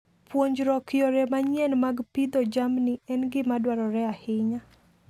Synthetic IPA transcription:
pwoɲd͡ʒɾɔkɪjoɾɛmaɲjɛnmaɡpid̪ɔd͡ʒamnɪɛnɡɪmadwaɾɔɾɛahɪɲa

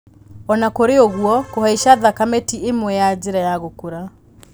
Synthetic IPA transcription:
ɔnakoɾeoɣwɔkohaiʃaðakametiemwɛjad͡ʑeɾajaɣokoɾa

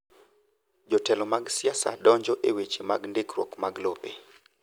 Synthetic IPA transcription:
d͡ʒɔtɛlɔmaɡsɪasa̰dɔɲd͡ʒɔʔewet͡ʃima̰ɡndɪkɾwokmaɡlope

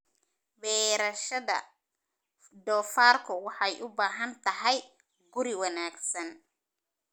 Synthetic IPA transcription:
wɛːɾɐʃɐðɐ̰ | d̪ɔːfaːrkʰʊwɑħɑjʔʊbaːɦɐnt̪ʰɐɦɛj | ɡʊɾɪwɑnaːɡsɐn

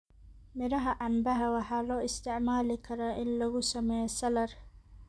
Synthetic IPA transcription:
mɪɾɐɦɐʔɑmbɐɦɐwɑħɑːlɔːɪst̪ʰɪʕmaːlɪkʰɐɾaːʔɪnlɐɣʊsɐmɛːjɛsɐlɐr

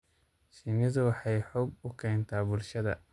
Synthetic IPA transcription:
siːmɪðʊwɑħɑjħɔːɡʊkʰɛːnt̪ʰaːbʊlʃɐðɐ̰

